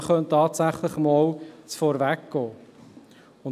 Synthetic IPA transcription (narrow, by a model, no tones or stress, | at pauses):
χœnt̪ɑːtsæχləχəmɔːlt͡sfɔɾvækɡ̥ɔː | ʊn